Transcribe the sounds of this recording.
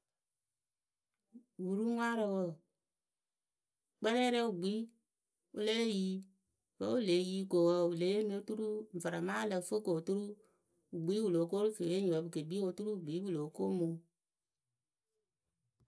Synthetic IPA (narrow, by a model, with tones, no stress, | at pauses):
wu˨ɾu˦ŋʷ˦a˦ɾo˨wo˦˨ | k͡pɛ˦lɛ˦ɾe˦u˨ɡ͡bi˨˦ | u˦le˦ji˦ | wə˦wu˦le˨˦ji˦ko˨wə˦u˨le˨˦e˦n˦o˦tu˦ɾu˦ɱ̩˨və˨a˨ma˦lə˨fo˦ko˨tu˦ɾu˦ | u˨ɡ͡bi˦wu˨lo˨ko˦ɾu˦fe˨e˦ɲ˨o˨˦bɨ˨ke˨bi˦o˨tu˦ɾu˦˨ɡ͡bi˨˦wu˨lo˨˦ko˦mu˨